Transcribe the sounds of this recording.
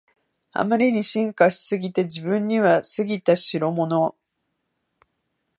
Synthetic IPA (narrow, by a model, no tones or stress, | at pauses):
a̰maɾʲiɲ̟iɕĩŋkaɕi̥sɨɡʲit̪e̞d͡ʑibɯ̟̃ɲːiβasɨɡʲit̪aɕiɾo̞mo̞no̞